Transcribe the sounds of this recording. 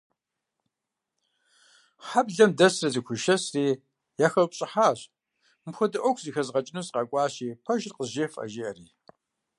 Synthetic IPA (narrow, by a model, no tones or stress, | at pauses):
ħabɮɐmdɐsrɐzixʷʰʊʃɐsriː | jaːxɐlpʷɕʼɪħaːɕ | mxʷʊdɨʔʷɔkʰʷzixɐzʁɐt͡ʃʼɪnusqɑkʷʼɑːɕiːpʰɐʒrqəzʒeːfʼɐ̰ʒiɐriː